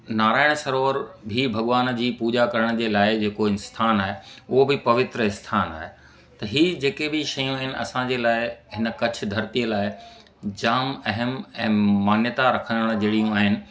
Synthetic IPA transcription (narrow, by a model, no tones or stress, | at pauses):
naːɾaːɪɽ̃sɐɾoːɾbʱibʱɐɠʋaːnd͡ʑiːpuːd͡ʑakɐɾəɽ̃d͡ʑeːlaːɪd͡ʑeːkoɪnst̪ʰaːnaːɦeʊɦobɪpɐʋɪt̪ɾəɪ̃nst̪ʰaːna̰ːɦe | t̪ɐɦiːd͡ʑeːkebiʃɐjũaːɦɪnɪ̆ʔɐ̰sãd͡ʑeːlaːɪɦɪnə̆kɐt͡ɕʰʊ̆d̪ʱɐɾt̪ijəlaːɪ | d͡ʑaːmɐɦəmɛ̃ːmaːnjət̪aɾɐkʰə̃nd̪əɽ̃d͡ʑeːɽijũaːɦɪnɪ̆